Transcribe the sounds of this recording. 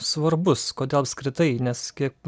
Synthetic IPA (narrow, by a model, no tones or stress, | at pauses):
sʋɐɾbʊskoːd̪ʲeːlˠɐpʲskɾʲɪt̪ɐɪnʲɛskʲiɛk̚